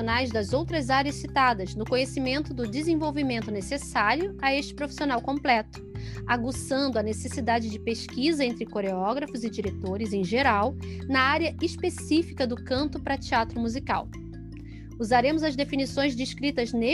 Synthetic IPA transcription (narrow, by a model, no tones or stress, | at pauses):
onajzd̪ɐzowt̪ɾɐzaɾɐssit̪ad̪ɐznʊkõɲesimẽnt̪ʊd̪ʊd͡ʒɪzẽvowvimẽnt̪ʊnesesaɾjʊɐeʃt͡ʃɪ̥pɾofi̥sionawkõmplɛt̪ʊ̥aɡusɐ̃nd̪ʊɐnesesid̪ad͡ʒɪd͡ʒɪpeʃkizɐẽnt̪ɾɪkoɾeɔɡɾɐfʊzɪd͡ʒiɾet̪oɾɪzẽj̃ʒeɾawnɐaɾjɐispesifikɐd̪ʊkɐ̃nt̪ʊpɾɐt͡ʃiat̪ɾʊmuzika̰w | uzaɾẽmʊzɐzd̪efinisõj̃zd͡ʒɪiʃkɾit̪ɐzne